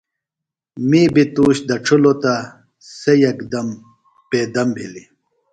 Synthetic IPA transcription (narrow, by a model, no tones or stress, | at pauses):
miːbit̪uːɕd̪ɐʈ͡ʂʰulot̪a | sejɐkd̪ɐm | peːd̪ɐmbʱili